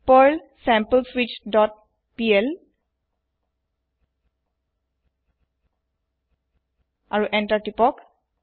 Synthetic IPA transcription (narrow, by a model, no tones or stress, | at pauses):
pəl | sɛ̃mpəlswit͡ʃdɔt̚ | piɛl | aɹuʔɛntatipɔk